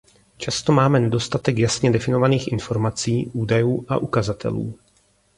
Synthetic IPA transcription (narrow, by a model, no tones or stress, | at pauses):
t͡ʃast̪o̞maːmɛnɛdo̞st̪at̪ɛkjasɲɛdɛfɪno̞vaniːxʔɪnfo̞ɾmat͡siːʔuːdajuːʔa̰ʔukazat̪ʰɛ̰lṵː